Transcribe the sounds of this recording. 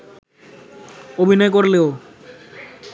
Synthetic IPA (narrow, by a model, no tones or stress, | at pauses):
obʱinɔekoɾleo